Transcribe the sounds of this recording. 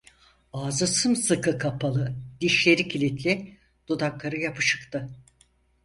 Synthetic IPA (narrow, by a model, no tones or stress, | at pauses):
aːzɯsɯmsɯkʰɯkʰapʰalˠɯd̪̥iʃlʲe̞ɾicʰilʲit̪ʰlʲi | d̪̥od̪aklˠaɾɯjapʰɯʃɯ̥kt̪ʰɯ